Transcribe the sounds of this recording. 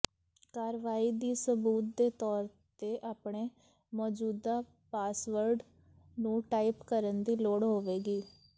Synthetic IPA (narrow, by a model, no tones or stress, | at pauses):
kaːɾʋaːiːd̪iːsəbuːt̪̚d̪eːt̪ɔːɾ | t̪eːʔaːpɳeː | mɔːd͡ʒuːd̪aː | paːsʋəɾɖ | nũːʈaːipkəɾənd̪iːloːɽɦoːʋeːɡiː